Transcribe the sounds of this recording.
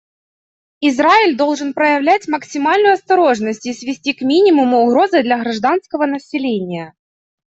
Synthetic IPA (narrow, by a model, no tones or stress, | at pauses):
ɪzraɪlʲd̪o̞lˠʐɨn̪pɾəjɪvlʲætʲməksʲɪmalʲnʊjʊɐst̪ɐɾo̞ʐnəsʲtʲɪsvʲɪsʲtʲikmʲinʲɪmʊmʊːɣɾo̞zɨd̪lʲɐɣɾɐʐd̪an̪skəvənəsʲɪlʲenʲɪjə